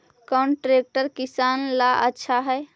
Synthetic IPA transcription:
kawɳʈɾek̚ʈəɾkisanlaʔətːʃʰaɦɛe

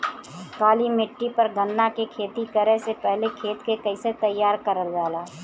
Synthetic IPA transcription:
kaːlimɪʈːipɐɾɡənːakekʰeːt̪ikəɾesepɛɦlekʰeːt̪kekɐɪset̪ɐjːaːɾkəɾəld͡ʒaːlaː

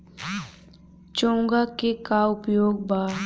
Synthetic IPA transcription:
t͡ʃõːŋɡakekaʊpjoːɡbaː

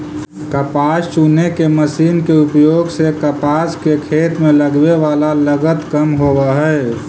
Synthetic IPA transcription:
kəpaːst͡ʃuːnekeməsiːnkeupjoːɡsekəpaːskekʰeːt̪mẽləɡʋeʋaːlaləɡət̪kəmɦoːbəɦɛ

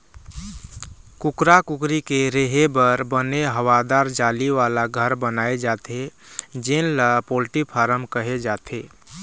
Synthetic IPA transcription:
kʊkɾakʊkɾikeɾeɦebəɾbəneɦəwad̪aːɾd͡ʒaːliʋalaɡʱəɾbənaːed͡ʒat̪ʰed͡ʒenləpolʈipʰaːɾəmkəɦed͡ʒaːt̪ʰeː

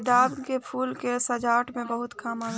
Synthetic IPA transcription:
d̪aːbkepʰuːlkesəd͡ʒaːʈmẽbəɦʊt̪kamaːl

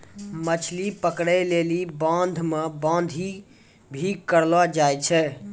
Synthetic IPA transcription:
mət͡ʃʰlipəkɽɛlelibãnd̪ʱmebãnd̪ʱi | bʱikəɾlɔd͡ʒajt͡ʃʰɛ

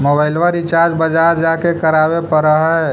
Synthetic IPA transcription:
mobaɪlʋəɾit͡ʃaɾd͡ʒbəd͡ʒaɾd͡ʒakekəɾabepəɾəɦɛ

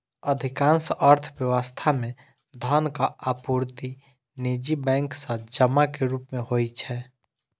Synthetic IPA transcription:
əd̪ʱɪkãːnsəɾt̪ʰʋjəwəst̪ʰamẽ | d̪ʱənkaapuɾt̪i | nid͡ʒibɛ̃ːŋksə̃d͡ʒəmakeɾuːpmẽhoːit͡ʃʰɛː

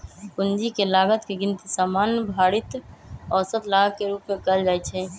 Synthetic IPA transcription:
kʊnd͡ʒikelaːɡət̪keɡɪnt̪isaːmaːnjəbʱaːɽɪt̪ɔːɾsət̪laːɡəkeɾuːpmẽkəld͡ʒaːɛt͡ʃʰɛ

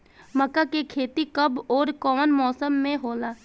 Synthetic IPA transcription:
məkakekʰeːt̪ikɐbɔːɾkɔːnmɔːsəmːẽɦoːlaː

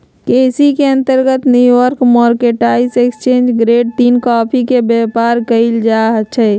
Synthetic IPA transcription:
keːsikeə̃nt̪əɾɡət̪njuəɾkmɔːɾkeʈaisekst͡ʃẽːnd͡ʒɡɾeːɖ̚t̪iːnkɔːpʰikebeːpaːɾkəɪld͡ʒaɦt͡ʃʰɛ

